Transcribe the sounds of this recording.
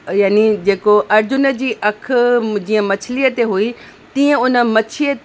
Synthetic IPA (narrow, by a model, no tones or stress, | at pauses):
jaːnid͡ʑeːkoʔɐɾd͡ʑʊnə̆d͡ʑiːʔɐkʰd͡ʑĩːə̃mɐt͡ɕʰɪliət̪eɦui | t̪ĩːə̃ʊnə̆mɐt͡ɕʰiə